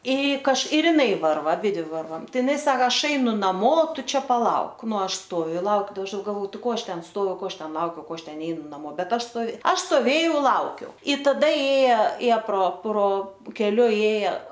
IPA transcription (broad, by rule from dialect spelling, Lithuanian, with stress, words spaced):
ɪ kɐʃ ɪr ɪˈnɐɪ ˈʋɐrʋɐ ɐˈbʲɪdʲʋʲɪ ˈʋɐrʋɐm ˈtɐɪ ɪˈnɐɪ ˈsɑːkɐ ˈɐʃ ˈɐɪnʊ nɐˈmoː ˈtʊ ˈt͡ʃʲɛ pɐˈlˠɐʊk ˈnʊ ˈɐʃ ˈstoːʋʲʊ ɪ ˈlˠɐʊk dɐ ˈɐʃ ɡɐlˠˈʋoː ˈtɐɪ ˈkoː ˈɐʃ ˈtʲɛn ˈstoːʋʲʊ ˈkoː ˈɐʃ ˈtʲɛn ˈlˠɐʊkʲɛʊ ˈkoː ˈɐʃ ˈtʲɛn ˈnʲɛɪnʊ nɐˈmoː ˈbʲɛt ˈɐʃ stoːˈʋʲɛ ˈɐʃ stoːˈʋʲeːjɛʊ ˈlˠɐʊkʲɛʊ ɪ tɐˈdɐ ˈeːjɛ ˈeːjɛ proː proː kʲɛˈlʲʊ ˈeːjɛ